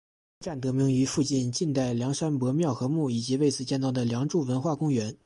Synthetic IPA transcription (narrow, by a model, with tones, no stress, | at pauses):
ʈ͡ʂa˥˩nt̪ɤ˧˥mi˧˥ŋy˧˥fu˥˧t͡ɕi˥˧nt͡ɕi˥˧nt̪a˥˩ɪljɑ˧˥ŋʂa˥npɤ˧˥mjɑ˥˩ʊxɤ˧˥mu˥˩i˨˩t͡ɕi˧˥we˥˧ɪt͡sɹ̩˥˩t͡ɕjɛ˥˧nt̪ɑ˥˩ʊd̪ə˩ljɑ˧˥ŋʈ͡ʂu˥˩wə˧˥nxwa˥˩kʊ˥ŋɥɛ˧˥n